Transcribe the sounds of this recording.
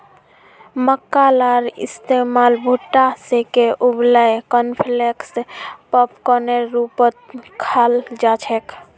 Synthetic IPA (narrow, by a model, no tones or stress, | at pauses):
məkːalaɾɪ̰st̪emaːlbʱuʈːasekeʔubləjkənpʰlekspəpkɔneɾupət̪̚kʰald͡ʒat͡ʃʰek